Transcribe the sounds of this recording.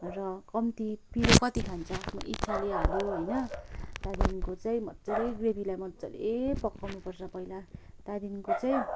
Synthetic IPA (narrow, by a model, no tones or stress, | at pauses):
rʌkʌmt̪ipiɾokʌt̪ikʰant͡sʰʌmʌ̰ʔitt͡sʰaleɦaljoɦojnʌt̪ad̪inkot͡saĩmʌt͡sʌɾeɡrebʱilajmʌt͡sʌ̰l̰epʌkːawnupʌrt͡sʰʌpʌilat̪ad̪inkot͡saj̃